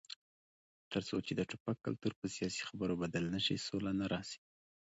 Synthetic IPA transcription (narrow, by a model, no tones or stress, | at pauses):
t̪əɾt͡sot͡ʃed̪əʈʊpakːalt̪uɾpəsijɑsi̥xabəɾobad̪əlnaʃḭsolanaɾɑsi̥